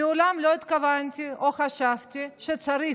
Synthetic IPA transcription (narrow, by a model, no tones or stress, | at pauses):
iʊlamlot̪kavant̪ʲʰiʔoxaʃaft̪iʃet͡sɐɾi